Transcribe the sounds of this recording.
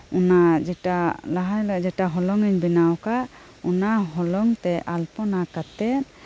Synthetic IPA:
ɔnad͡ʒɛʈalaɦajlɔʔd͡ʒɛʈaɦɔlɔŋiɲbinawkaʔ | ɔnaɦɔlɔŋt̪ɛʔalpɔnakat̪ɛt̪̚

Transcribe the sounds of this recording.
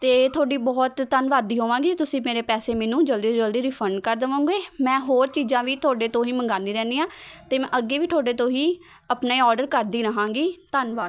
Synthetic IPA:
t̪eːt̪ʰoːɖiːbɔːt̪ːənʋaːd̪iːɦoːʋãːɡiːt̪ʊsĩːmeːɾeːpɛːseːmɛːnũːd͡ʒəld̪iːd͡ʒəld̪iːɾiːpʰəɳɖkəɾd̪əʋãːũːŋɡeːmɛ̃ːɦoːɾt͡ʃiːzãːʋiːt̪ʰʊoːɖeːt̪õːɦiːməŋɡãːnd̪iːɾɛ̃ːniːãːt̪eːmɛ̃ːʔəɡeːʋiːt̪ʰoːɖeːt̪õːɦiː | əpneːɔːɾɖəɾkəɾd̪iːɾəɦãːŋɡiːt̪ənʋaːd̪

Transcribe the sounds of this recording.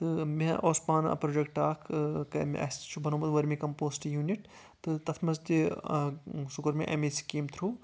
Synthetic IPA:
t̪ɨmẽʔoːspaːnɐ̰pɾoːd͡ʒek̚ʈaːkʰkɐmɐ̰st͡ʃʰubʱɐnoːmɐd̪ʋɐɾmĩkɐmpoːsʈijuːniʈ | t̪ɨt̪ɐt̪ʰmɐzt̪i | sukɐɾmẽʔḛmeːsi̥kiːmt̪ʰɾuː

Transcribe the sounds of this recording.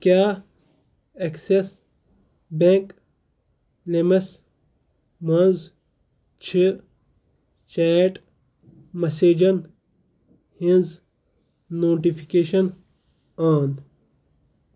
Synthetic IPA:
kjaː | ekses | beŋk | lemɐs | mɐnz | t͡ʃʰi | t͡ʃaːʈ | mɐseːd͡ʑɐn | hĩnz | noːʈifʰikeːʃɐn | aːn

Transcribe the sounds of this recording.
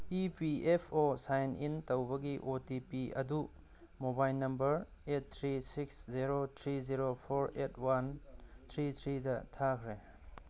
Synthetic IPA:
ipiepʰosajnintɐwbɐɡiʔotipiɐ̰du | mobajlnːɐmbɐɾet̚t̪ʰɾisiksziɾot̪ʰɾiziɾopʰoɾetʰwant̪ʰɾit̪ʰɾidɐtʰakʰɾe

